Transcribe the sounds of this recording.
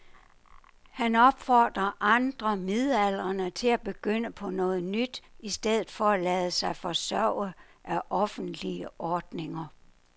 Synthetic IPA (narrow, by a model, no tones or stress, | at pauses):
hænɒ̽b̥fɒːd̥ʁɐʔɑ̈nd̥ʁɐmiðˠæl̰ʁɐnət͡sʰe̝æb̥e̝ɡ̥øn̰əpʰɒ̽nɔ̽ːð̞̩ˠnyd̥isd̥eð̞̰̩ˠfɒ̽ælɛːðˠəsɑ̈ɪfɒ̽sœʊ̰əʔæʔɒ̽fn̩d̥liəʔɒːd̥ne̝ŋɐ